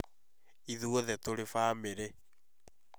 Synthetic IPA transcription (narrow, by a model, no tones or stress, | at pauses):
iðuoðɛtoɾefaːmeɾe